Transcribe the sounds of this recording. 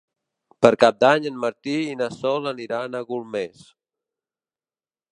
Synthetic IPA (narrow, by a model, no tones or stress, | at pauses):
pəɾkap̚d̪aɲənməɾt̪iːnəsɔləniɾanəɣulˠmes